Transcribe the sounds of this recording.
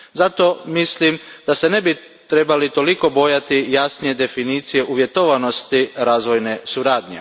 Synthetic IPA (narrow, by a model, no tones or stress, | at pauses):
zat̪o̞mislimd̪̥ase̞ne̞bi | t̪ɾe̞balit̪o̞liko̞bo̞jat̪ijasnije̞d̪e̞finiːt̪sije̞ʔuʋje̞t̪oʋano̞st̪iɾaːzʋo̞jne̞suɾaːd̪ɲe̞̰